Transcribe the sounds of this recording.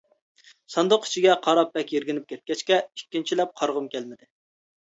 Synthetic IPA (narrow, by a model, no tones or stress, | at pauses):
sɑnd̪ʊqi̥t͡ʃʰiɡʲɛqʰɑɾɑp̚bɛkʲjeɾɡʲɪnɪp̚kʲʰɛt̪̚kʲɛt͡ʃkʲɛikʲːint͡ʃʰilɛp̚qʰɑɾʁʊmkʲɛlmɪd̪ɪ